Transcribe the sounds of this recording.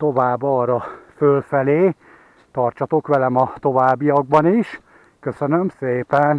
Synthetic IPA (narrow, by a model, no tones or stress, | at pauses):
t̪o̞vaːbɒːrɒfølfɛleː | t̪ɒrt͡ʃɒt̪o̞kʋɛlɛmɒt̪o̞vaːbːijɒɡ̚bɒniʃ | kø̞sønø̞mseːpɛn